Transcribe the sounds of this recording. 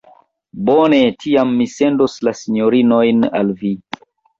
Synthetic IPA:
bone̞tʰiamːise̞nduslasiɲoɾinojna̰lvi

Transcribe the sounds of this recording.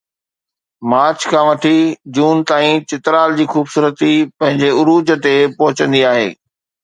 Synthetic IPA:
maːɾt͡ɕkʰãːʋɐʈʰid͡ʑuːnt̪aːĩt͡ɕɪt̪ɾaːld͡ʑiːxuːbsuːɾət̪ipɐ̃ɦɪ̃ɲd͡ʑeʊɾuːd͡ʑət̪epɐɦʊt͡ɕə̃nd̪iaːɦḛː

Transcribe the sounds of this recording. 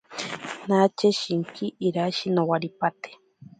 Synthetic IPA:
nat͡ʃeʃiŋkʰiʔːɾaʃinowaɾipat̪e̥

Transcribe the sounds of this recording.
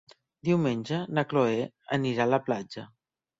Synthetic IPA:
d̪iwmenʲʒənəkloe | ə̰niɾaləplad͡ʒə

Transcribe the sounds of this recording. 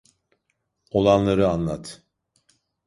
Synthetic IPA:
o̞lˠanlˠaɾɯanlˠat̪

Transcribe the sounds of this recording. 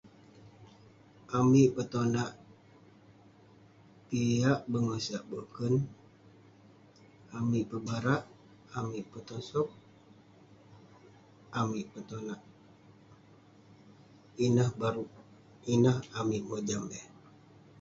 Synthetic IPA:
ʔamiʔpət̪onaʔ | piaʔbəŋosiaʔbəkən | amiʔpəbaɾaʔ | amiʔpət̪ɔsɔp̚ | amiʔpət̪onaʔ | inəhbaɾuʔ | inəhamiʔməd͡ʒambɛ

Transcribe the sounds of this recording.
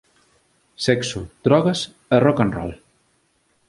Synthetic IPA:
sɛksud̪̥ɾɔɣas | ərɔkanrɔ̰l

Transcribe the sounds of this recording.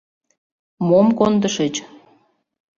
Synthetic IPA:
momkond̪əʃət͡ɕ

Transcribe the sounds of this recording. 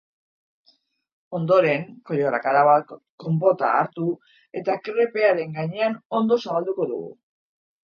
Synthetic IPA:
o̞nd̪o̞ɾe̞ŋko̞joɾa̰kaɾaβa | ko̞mbo̞t̪a̰ːɾt̪u | e̞t̪akɾe̞pe̞aɾe̞ŋɡaɲe̞ano̞nd̪o̞saβald̪uko̞ðṵɣṵ

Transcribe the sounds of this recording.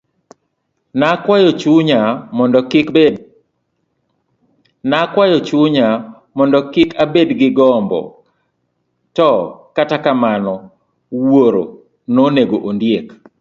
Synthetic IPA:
nakwajɔt͡ʃuɲamɔndɔkɪ | nakwajɔt͡ʃuɲa | mɔndɔkɪkʰabedɡɪɡɔmbɔ̰ | tɔkatakamanɔ | woɾo̰ | noneɡoʔondjek

